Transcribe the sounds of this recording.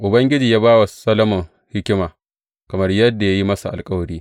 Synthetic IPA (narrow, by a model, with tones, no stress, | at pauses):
ʔʊ˨bɐ˦ŋɡʲɪ˦d͡ʒiː˨jaː˦baː˦wa˨sɐ˦lɐ˦mʊ˨ŋ | hɪ˦kʲɪ˦maː˨ | kɐ˨mɐ˦rjɐ˦dːa˨ja˦ji˦mɐ˦sa˨ʔa̰˨lkʼɐ˦wɐ˨ɾiː˦